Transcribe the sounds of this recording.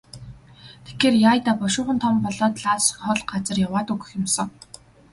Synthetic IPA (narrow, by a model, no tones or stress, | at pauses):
t̪ʰe̥xeːrjaːjt̪aːpɔʃʊːχə̆nt̪ʰɔmpɔɮɔːt̪ɮaːsχɔɮɢat͡sə̆rjawaːt̪uɣɘ̆xjʊ̆msɞ̆ŋ